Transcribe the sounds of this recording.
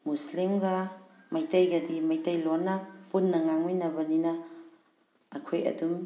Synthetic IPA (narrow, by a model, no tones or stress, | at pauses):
muslimɡɐ | mɐjtɐjɡɐdimɐjtɐjlonːɐpunːɐŋaŋminɐbɐninɐ | kʰojɐ̰dum